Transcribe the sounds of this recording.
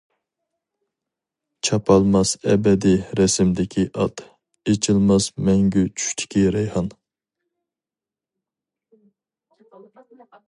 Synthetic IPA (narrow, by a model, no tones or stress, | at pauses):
t͡ʃʰɑpʰɑlˠmɑsɛbɛd̪iɾɛsɪmd̪ɪkʲʰiʔɑt̪ | et͡ʃʰɪlˠmɑsmɛŋɡʲyt͡ʃʰy̥ʃt̪ʰɪ̥kʲiɾɛjhɑn